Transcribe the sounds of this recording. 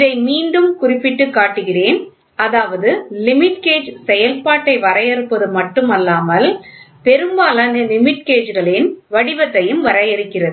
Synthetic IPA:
ɪðɐɪmiːɳɖɯmkʊrɪpːɪʈːɯkːaːʈːɯɣɪreːn | ɐðaːʋɐðɯlɪmɪʈkeːd͡ʒsɛjɐlpaːʈːɐɪʋɐɾɐjɛɾɯpːɐðɯmɐʈːɯmɐlːaːmɐl | pɛɾɯmbaːlɐɐlɪmɪʈkeːd͡ʒɣɐɭɪnʋɐɽɪʋɐt̪ːɐjɯmʋɐɾɐjɪɾɯkːɪrɐðɯɯ

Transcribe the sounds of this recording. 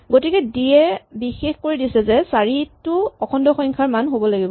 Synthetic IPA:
ɡotikɛdijɛbixexkoɹidisɛzɛsaɹitʊɔkʰɔndɔxɔŋkʰaɹmanɦobɔlaɡibɔ

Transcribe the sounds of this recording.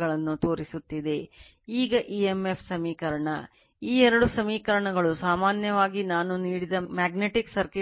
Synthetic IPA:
ɐɭɐnːut̪o̞ːɾisut̪ːid̪e̞ | iːɡɐʔiːemːepʰsɐmiːkɐɾɐɳɐ | iːɛɾɐɽusɐmiːkɐɾɐɳɐɡɐɭusaːmaːnjɐʋaːɡinaːnuniːɽid̪ɐmaːɡneʈiksɐɾki

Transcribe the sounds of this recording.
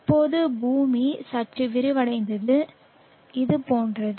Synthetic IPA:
ɪpːoːðɯbuːmisɐʈt͡ʃːɯʋɪɾɯʋɐɽɐɪnd̪ɐðɯ | ɪðɯpoːndrɐðɯ

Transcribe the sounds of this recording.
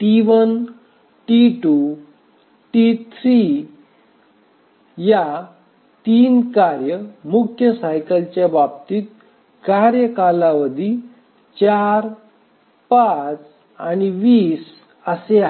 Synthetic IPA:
ʈiʋən | ʈiʈu | ʈit̪ʰɾi | ja | t̪iːnkaɾjəmukʰjəsajkəlt͡ɕjabab̚t̪iːt̪̚ | kaɾjəkalaʋəd̪ʱi | t͡ɕaɾ | pat͡s | aniʋiːs | əsea

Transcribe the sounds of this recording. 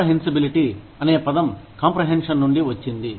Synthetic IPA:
ɐɦensɐbiliʈi | ɐne̞ːpɐd̪ɐmkaːmpɾɐɦenʂɐnːuɳɖiʋɐt͡ʃːind̪i

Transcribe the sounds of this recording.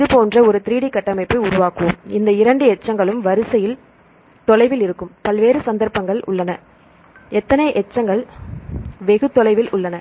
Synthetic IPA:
ɪðɯpoːndrɐɔɾɯt̪ɪɾiːɽɪkːɐʈːɐmɐɪpːɐɪʊɾʊʋaːkːɯʋɯmɪnd̪ɐɪɾɐɳɖɯɛt͡ʃːɐŋɡɐɭɯmʋɐɾɯsɐjɪl | t̪ɔlɐɪʋɪlɪɾɯkːɯmpɐlʋeːɾɯsɐnd̪ɐɾpɐŋɡɐɭʊ̰ɭːɐnɐ | ɛt̪ːɐnɐɪʔɛt͡ʃːɐŋɡɐɭ | ʋɛɣɯt̪ːɔlɐɪʋɪlʊɭːɐnɐ

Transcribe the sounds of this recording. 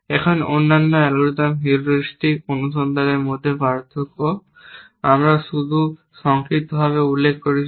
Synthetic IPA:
ɛkʰononːanːoɛlɡɾut̪amɦiɾduʃt̪ikonuʃɔnd̪aneɾmod̪ʱːebaɾt̪ʰoko | amɾaʃud̪ʱu | ʃɔŋkɾit̪obʱaβeulːekʰkoɾi

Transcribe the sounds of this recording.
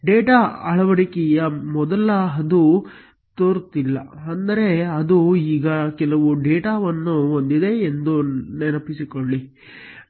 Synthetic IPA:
ɖeːʈaɐɭɐʋɐɽikɛjɐmɔd̪ɐlɐɦɐd̪u | t̪oːɾt̪ilːɐɐnd̪ɐɾe̞ɐd̪uiːɡɐkɛlɐʋuɖeːʈaːʋɐnːuond̪id̪e̞ːnd̪unenɐpisikoɭli

